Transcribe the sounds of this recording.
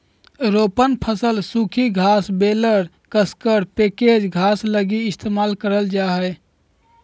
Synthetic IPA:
ɾopənpʰəsəlsukʰiɡʱasbeləɾ | kəskəɾpeked͡ʒɡʱasləɡiɪst̪ʰemalkəɾəld͡ʒaɦɛ

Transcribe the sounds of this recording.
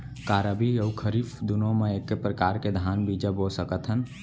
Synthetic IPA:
kaːɾəbijəwkʰəɾifd̪unõmẽekːepɾəkaːɾked̪ʱaːnbiːd͡ʒəbosəkət̪ɦən

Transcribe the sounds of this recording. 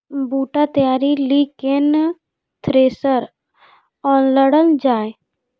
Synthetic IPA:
buːʈat̪əjaːɾiliːken | t̪ʰɾeːsəɾ | ɔːnləɽəld͡ʒaːe

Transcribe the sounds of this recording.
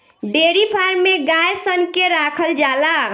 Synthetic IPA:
ɖeːɾipʰaːɾmeɡaːjsənkeɾaːkʰəld͡ʒaːla

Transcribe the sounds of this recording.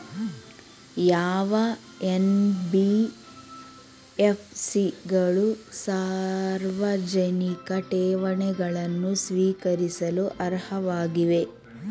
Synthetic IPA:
jaːʋɐ | enbi | epʰsiɡɐɭusaːɾʋɐd͡ʒɐnikɐʈɛːʋɐɳɛɡɐɭɐnːusʋiːkɐɾisɐluʔɐɾhɐʋaːɡiʋe̞

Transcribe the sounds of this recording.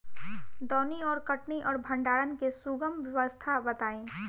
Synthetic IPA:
d̪ɔːniɔːɾkɐʈniʔɔːɾbʱɐ̃ɳɖaːɽənkesuɡəmʋjɐʋəst̪ʰabɐt̪aːẽː

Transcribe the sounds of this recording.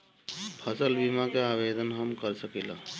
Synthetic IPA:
pʰəsəlbimakeabed̪ənɦəmkəɾsəkilə̃

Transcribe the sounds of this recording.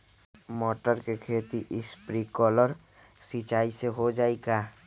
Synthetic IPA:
mɔːʈəɾkekʰeːt̪iʔɪspɾikɔːləɾ | sit͡ʃaːiseɦod͡ʒaːeɡaː

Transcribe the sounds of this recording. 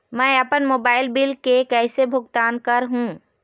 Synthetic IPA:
mɛ̃əpənmoːbaːɪlbɪlkekɛːsebʱʊɡt̪aːnkəɾɦũː

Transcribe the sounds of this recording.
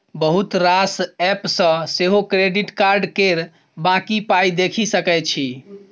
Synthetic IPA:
bəɦut̪ɾasɛpsə̃seɦokɾeɖiʈkaɾɖkeɾ | bãkipajd̪ekʰisəkɛt͡ʃʰi

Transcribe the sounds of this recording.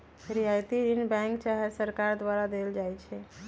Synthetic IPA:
ɾiɦajt̪iɾinbɛ̃ŋkt͡ʃaɦeɾsəɾkaɾd̪ʋaɾad̪eld͡ʒajt͡ʃʰɛ

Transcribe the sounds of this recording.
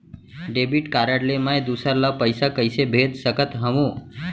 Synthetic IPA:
ɖebiʈkaɾaɽlemãed̪usəɾlapəjsakəjsebʱed̪səkət̪ɦəʋõ

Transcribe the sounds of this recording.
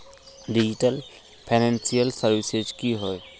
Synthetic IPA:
ɖid͡ʒiʈəl | pʰanẽnsijəlsəɾʋised͡ʒkiɦɔe

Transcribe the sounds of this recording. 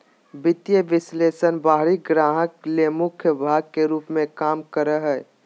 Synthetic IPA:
bɪt̪jəʋɪsleːsənbaːɦɾiɡɾaːɦəklemʊkʰjəbʱaːɡ̚kːeɾuːpmẽkaːmkəɾəɦɛ

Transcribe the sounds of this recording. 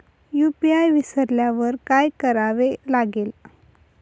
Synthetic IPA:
jupiajʋisəɾljaʋəɾkajkəɾaʋelaɡel

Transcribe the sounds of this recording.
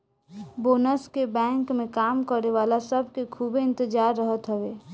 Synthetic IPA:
boːnəskebɛ̃ŋkmẽkaːmkəɾeʋaːlasəbʱkekʰubɪ̃nt̪əd͡ʒaːɾːəɦət̪ɦəwe

